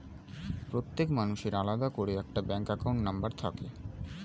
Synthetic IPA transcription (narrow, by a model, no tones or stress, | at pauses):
pɾot̪ːekmanuʃeɾalad̪akoɽeɛk̚ʈabɛŋkɛkawɳʈnambaɾt̪ʰa̰ke